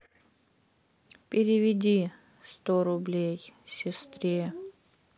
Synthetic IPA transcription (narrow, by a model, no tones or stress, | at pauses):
pʲɪɾʲɪvʲɪdʲi | st̪oɾʊblʲejsʲɪst̪ɾʲe